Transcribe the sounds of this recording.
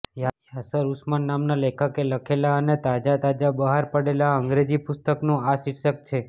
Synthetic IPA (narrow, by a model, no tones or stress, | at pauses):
ja | asəɾusmanːamnalekʰəkeləkʰelaənet̪ad͡ʒat̪ad͡ʒabəɦaɾpəɽelaəŋɡɾed͡ʒipʊst̪əknũasiɾʃək̚t͡ʃʰe